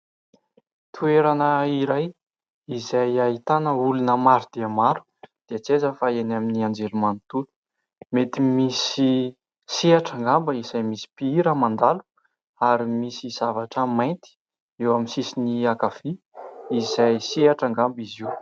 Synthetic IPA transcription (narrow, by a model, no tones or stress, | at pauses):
t̪ʰueɾanəiɾaj | izajaɦit̪anəulunəmaɾud̪̥eamaɾu̥d̪̥iət͡sezəfaenaminiand͡ʒelumanit̪ulu̥ | met̪imisi | seaʈ͡ʂaŋɡambəizajmisi̥piiɾəmand̪alu̥ | aɾimisiz̥avaʈ͡ʂəmajnt̪i̥ | ewaminsisiniakafi | izajseaʈ͡ʂaŋɡambiziw